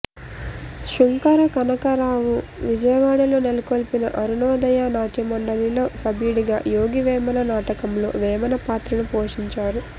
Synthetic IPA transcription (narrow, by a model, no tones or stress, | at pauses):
ʃuŋkɐɾɐkɐnɐkɐɾaːʋuʋid͡ʒɐjɐʋaːɽɐlo̞ːnelukoːlpinɐ̰ʔɐɾunɔːd̪ɐjaːnaːʈimɐɳɖɐlilo̞ːsɐbiːɽiɡa̰ːjoːɡiʋɛːmɐnɐnaːʈɐkɐmlo̞̰ːʋɛːmɐnɐpaːt̪ɾɐnupoːʂiɲt͡ʃaːɾu